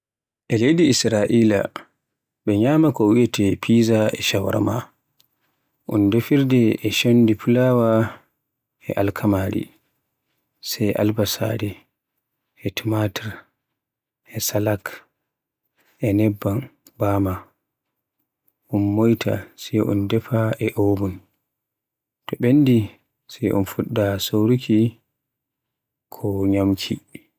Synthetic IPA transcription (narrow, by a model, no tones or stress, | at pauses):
ʔɛlejdiːsɾaʔiːla̰ | bɛɲaːmakɔwiɛtɛpʰiːzaɛ̰ʃawa̰ɾama̰ | ʔɔndefiɾdɛʔɛʃondipulawa | ɛ̰ʔalkʰamaɾḭ | sɛjʔa̰lbasa̰ɾi | ɛtimatɛɾ | ɛsalak | ʔɛnɛbːan | bama | ʔunmojtʰa̰sɛjʔṵndɛfaʔɛʔowbun | tɔɓendi | sɛjʔṵnfuɗːasowɾukʰi | kʰɔɲamkʰi